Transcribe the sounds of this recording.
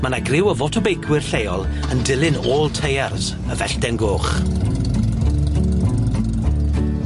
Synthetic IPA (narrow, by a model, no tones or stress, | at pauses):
manaɡrɪwəvɔtʰɔbejkʰwɪrɬejɔlˠ | əndɪlˠɪnoːlˠtʰejars | əvɛɬd̥ɛnɡoːχ